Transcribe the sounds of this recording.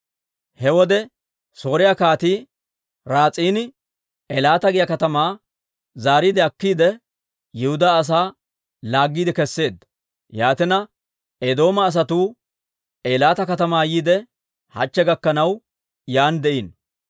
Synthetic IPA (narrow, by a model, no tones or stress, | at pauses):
hɛwɔd̪ɛ | so̞ːɾɪjakaːt̪iː | ɾaːt͡sʼiːnɪ | ɛlaːt̪ɐɡɪjɐkɐt̪ɐmaː | zaːɾiːd̪ɛɐkːiːd̪ɛ | jɪhʊd̪aːs̬aː | laːɡːiːd̪ɛkɛsːe̞ːd̪ɐ | jaːt̪ɪnɐ | ed̪o̞ːmɐːs̬ɐt̪uː | eːlaːt̪ɐkɐt̪ɐmaːjiːd̪ɛ | hɐ̰t͡ʃːɛɡɐkːɐnɐw | jaːnd̪ɛʔiːn